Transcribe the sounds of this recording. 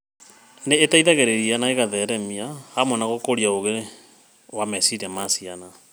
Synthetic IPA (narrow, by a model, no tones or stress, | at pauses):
neːtaiðaɣeɾeɾianaeɣaðɛɾɛmiahamɔnaɣokoɾiaoɣe | wamɛsiɾɛmasiana